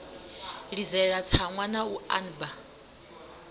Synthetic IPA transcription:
ɺid͡zɛɺat͡sʰaŋwanaua̰nba

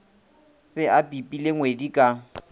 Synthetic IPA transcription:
pɛʔapʼipʼileŋwedikʼa

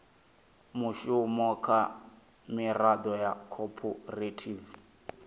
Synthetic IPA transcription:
mʊʃʊmɔkʰa | mɪradɔjakʰɔpʰɔretʰiːv

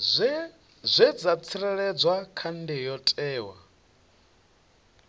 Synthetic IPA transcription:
zʷɛd͡zat͡sʰiɾɛɺɛd͡zwakʰandijɔtʼɛːwa̰

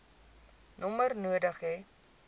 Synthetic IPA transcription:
nɔmərnuədəχe

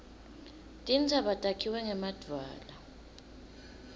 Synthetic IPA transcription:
tʼint͡sʰʼaɓatʼakʰiwɛŋɛmad̥ʱwa̰ːla

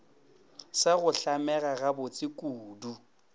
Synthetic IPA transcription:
sɪɣʊɬamɛɣaɣabʊt͡sʼɪkʼuːdu

